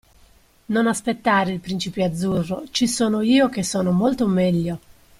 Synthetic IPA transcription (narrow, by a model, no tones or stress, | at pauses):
nonaspet̪ːaːɾeilpɾint͡ʃipead̪zːurːot͡ʃisoːnoiːokesːoːnomolt̪omɛʎːo